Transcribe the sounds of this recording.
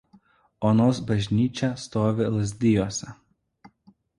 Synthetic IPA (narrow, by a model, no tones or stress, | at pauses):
oːnoːsbɐʒʲnʲiːt͡ʃʲɛst̪oːʋʲɪlˠɐzʲd̪ʲɪjoːsʲɛ